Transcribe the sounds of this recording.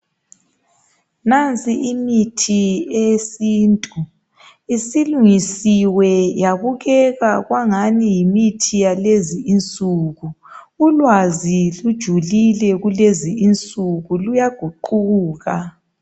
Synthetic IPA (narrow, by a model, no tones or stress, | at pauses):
nant͡sʼiʔimitʰiesiːntʼu | isiluŋisiwɛjaβuɣɛɣaɣwaŋanijimitʰijaleziːnt͡sʼuːɣu | ulwazilud̥ʒ̥ʱulilɛɣuleziint͡sʼuɣulujaɡ̥ʱuǃuuːɣa